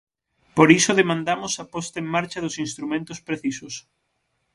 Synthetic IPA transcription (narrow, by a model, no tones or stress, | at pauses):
poɾisʊðemãnd̪amʊsɐpɔst̪ɐeŋmaɾt͡ʃɐðʊsinst̪ɾumẽnt̪ʊspɾeθisʊs